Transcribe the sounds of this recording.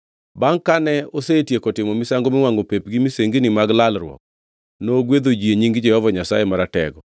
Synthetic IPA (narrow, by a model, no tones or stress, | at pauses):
baŋkanɛosetjekotɪmɔmɪsaŋɡomɪŋwaŋɡopepɡimiseŋɡinimaɡlalɾwɔ̰k̚ | noɡwed̪od͡ʒieɲiŋɡɪd͡ʒɛhɔvaɲasajemaɾatɛ̰ɡɔ